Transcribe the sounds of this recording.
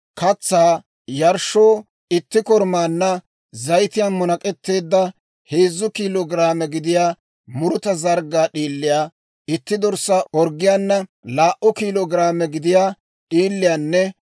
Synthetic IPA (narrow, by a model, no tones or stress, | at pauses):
kɐt͡sːaː | jɐɾʃoː | ɪt̪ːɪkɔɾmaːnːɐ | zɐjt̪ɪjaːmɔnɐkʼɛt̪ːe̞ːd̪ːɐ | he̞ːzːʊkiːlɔɡɪɾaːmɛɡɪd̪ɪjaː | mʊɾʊt̪ɐzɐɾɡaːɗiːlːɪjaː | ɪt̪ːɪd̪ɔɾsaʔɔɾɡɪjaːnːɐlaːʔɔkiːlɔɡɪɾaːmɛɡɪd̪ɪjaː | ɗiːlːɪjaːnːɛ